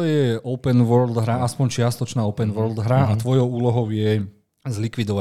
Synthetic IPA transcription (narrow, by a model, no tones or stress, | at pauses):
ɔjɛʔɔʊpɛnʋɔɾld̪ɦɾaaspɔɲt͡ʃɪast̪ɔt͡ʃnaːɔpɛnʋɔɾld̪ɦɾaat̪ʋɔjɔʊuːlɔɦɔʊjɛ | zlikʋid̪ɔʋa